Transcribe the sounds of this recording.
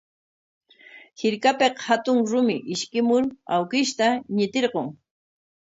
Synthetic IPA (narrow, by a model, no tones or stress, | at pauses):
hɪɾkapeqhat̪ʊŋɾʊmɪʔɪʃkɪmʊɾa̰wkɪʃt̪aɲɪt̪eɾɢoŋ